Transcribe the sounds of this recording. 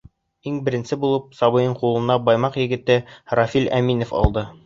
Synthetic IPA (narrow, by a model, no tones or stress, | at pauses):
iŋbɘ̆ɾɘ̆nsɘbulˠɤp̚sɑβɤ̆jɤɴqulˠɤ̆nɑbɑjmɑqjɘ̆ɡɘ̆t̪ɘrɑfʲilæ̰minŏfɑ̰lˠd̪ɤ